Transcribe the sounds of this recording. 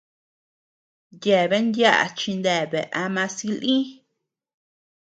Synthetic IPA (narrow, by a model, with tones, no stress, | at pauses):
je˨βe˦nd̪ja˦ʔa̰˨t͡ʃi˧nd̪e˧˨βe˨ʔa˧mã˧si˧˦lĩ˦